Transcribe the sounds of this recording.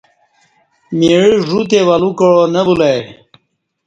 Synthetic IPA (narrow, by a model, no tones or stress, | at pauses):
miɻiʐut̪̬ewalukəɻonəbulaj